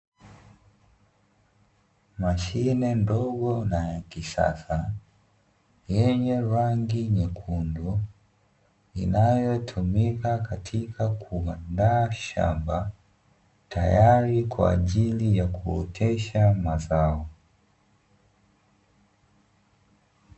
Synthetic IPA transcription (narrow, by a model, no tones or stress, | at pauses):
maʃinɛndɔɡɔnajakisa̰sa | jɛɲɛɾaŋɡiɲɛkʰundɔ | ḭnajɔtʰumikakatʰikʰakʰuandaːʃa̰mba | tajaɾikwa̰ːʄilijakuɔ̰tʰɛʃamazaɔ